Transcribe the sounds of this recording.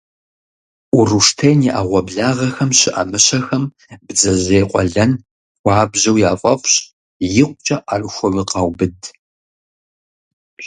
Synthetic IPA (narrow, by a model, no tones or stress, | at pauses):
ʔʊruʂtʰɐjniʔa̰ʁʷɔbɮaːʁɐxɐmɕɪʔɐmɨɕɐxɐm | bd͡zɐʑeːjqʷʼɔɮɐn | wɑːbʑɐwjaːfʼɐfɕʼ | jɪqʷʼt͡ʃʼɐʔarɨxʷɔwiqɑwbɨdʰ